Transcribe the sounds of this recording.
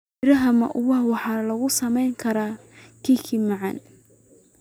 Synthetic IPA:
ɪɾɐɦɐmɐ̰ʔʊwɑhwɑħɑːlɐɣʊsɐmɛjŋkʰɐɾaː | kʰiːkʰimɑʕɑ̰n

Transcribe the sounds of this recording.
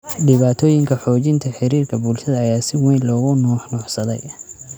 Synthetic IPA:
ɖɪβaːt̪ʰɔːjɪŋkʰɐħɔːt͡ʃɪnt̪ʰɐħɪɾiːrkʰɐbuːlʃɐðɐɐjaːsɪwɛjnlɔːɣʊnɔːħnɔːħsɐðɛ̰j

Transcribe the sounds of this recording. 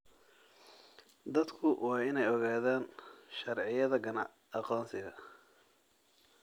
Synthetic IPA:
d̪ɐd̪kʰʊwʔɑːɪnɛjɔɣaːðaːnʃɐrʕɪjɐðɐɡɐnɐ | ɑqɔːnsɪɣɐ

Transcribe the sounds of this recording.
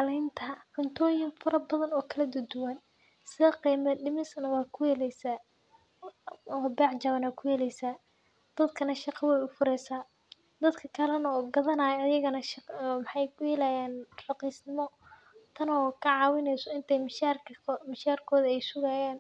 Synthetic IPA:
ɑlɛjnt̪ʰɐʕʊnt̪ʰɔːjɪŋfɐɾɐbɐðɐnɔːkʰɐlɐd̪ʊd̪ʊwɐn | sɪðɐqiːmɐɖɪmɪsnɐwɑːkʰʊjɛlɛjsaː | ɔːbɛːʕt͡ʃɐβɐnɐkʰʊjɛːlɛjsaː | d̪̥ɐd̪kʰɐnɐʃɑqɑwɛjʊfʊɾɛjsaː | d̪ɐd̪kʰɐkʰɐlɐnɐɔɡɐðɐnaːjɐɐjɐɣɐnɐʃmɑħɑjkʰʊjɛlaːjaːnrɑqiːsnɪmɔ | t̪ʰɐnɔːkʰɐʕɑːwɪnɛjsɔɪnt̪ʰɛjmʃarʰmɪʃaːrkʰɔːðɐɛjsʊɣaːjaːn

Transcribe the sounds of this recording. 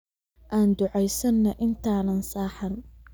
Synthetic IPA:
ʔaːnd̪ʊʕɛjsɐnːɐʔɪnt̪ʰaːnɐnsaːħɐn

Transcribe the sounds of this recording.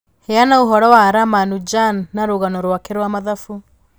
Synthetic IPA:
heanaoɦɔɾɔwaɾamanud͡ʒanːaɾoɣanɔɾwakeɾwamaðafu

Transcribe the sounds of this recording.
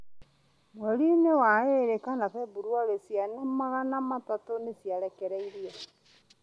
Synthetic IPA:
mwoɾinewaeɾekanaβɛbuɾwaɾesjanamaɣanamatatonesjaɾɛkɛɾɛiɾiɛ

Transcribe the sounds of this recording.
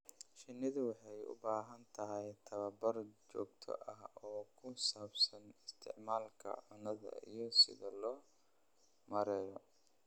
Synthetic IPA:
ʃɪnːɪðʊwɑħɑjʊ̰baːɦɐnt̪ʰɐɦɛjt̪ʰɐβɐbɐrt͡ʃɔːɡt̪ʰɔ̰ʔɐhɔːkʰʊsaːbsɐnɪst̪ʰɪ̰ʕmaːlkʰɐ̰ʕʊnɐðɐ̰ḭjɞsɪ̰ðɐlɔː | mɐɾɛːjɔ

